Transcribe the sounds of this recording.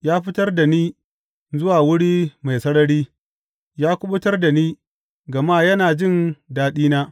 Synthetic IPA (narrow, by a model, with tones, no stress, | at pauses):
jaː˦ɸɪ˦tɐ˦rda˨niː˦ | zʊ˦waː˨wʊ˦ɽiː˦ma˨jsɐ˦ɽɐ˦ɽiː˦ | jaː˦kʷʊ˦ɓʊ˦tɐ˦rda˨niː˦ | ɡɐ˨maː˦jɐ˦naː˨d͡ʒɪ˦˨ndaː˦ɗiː˦naː˦